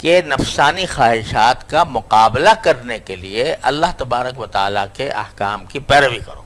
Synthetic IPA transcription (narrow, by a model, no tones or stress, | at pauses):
kenɐfsaːnixaːɦɪʃaːt̪kamʊqaːblakɐɾnekelieʔɐlːaɦt̪ɐbaːɾəkʋɐt̪a̰ːlakeʔɐ̰hkaːmkipɛːɾəʋikɐɾo̰ː